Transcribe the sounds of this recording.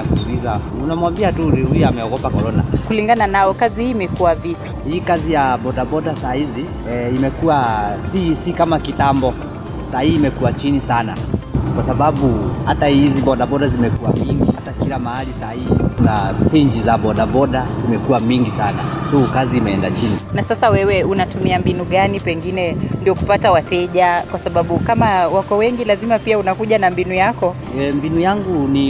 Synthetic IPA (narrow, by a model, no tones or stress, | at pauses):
akusulizaunamwambiatuhujamɛɔɡɔpakɔɾɔna̰kuliŋɡananaɔkazihiːmɛkuwavipi̥hiːkazijaɓɔɗaɓɔɗasahizi | imɛkuasisikamakitambɔ | sahihːmɛkuat͡ʃinisana̰kwasaɓaɓuhatahiziɓɔɗaɓɔɗazimɛkuwamiŋɡihatakilamahalisaiikunastiɲd͡ʒizaɓɔɗaɓɔɗazimɛkuwamiŋɡisanasɔukaziːmɛɛndat͡ʃininasasawɛwɛunatumiambinuɠanipɛŋɡinɛndiɔku̥patawatɛʄakwasaɓaɓukamawakɔwɛŋɡilazimapiaunakuʄanambinujakɔ | ɛmbinujaŋɡuni